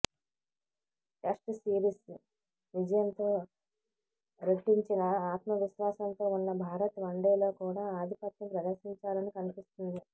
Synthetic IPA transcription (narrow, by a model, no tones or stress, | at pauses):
ʈeʂʈsiːɾis | ʋid͡ʒɐjɐnt̪o̞ː | ɾeʈːiɲt͡ʃinɐaːt̪mɐʋiʃʋaːsɐnt̪o̞ːunːɐbʱaːɾɐt̪ʋɐɳɖeːlo̞ːkuːɽaːaːd̪ʱipɐt̪jɐpɾɐd̪ɐɾsiɲt͡ʃaːlɐnikɐnipist̪und̪i